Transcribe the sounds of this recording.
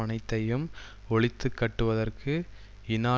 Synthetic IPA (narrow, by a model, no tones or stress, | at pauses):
ɐnɐɪt̪ːɐjɯm | ɔɭɪt̪ːɯkːɐʈːɯʋɐðɐrkʰɯ | ɪnaː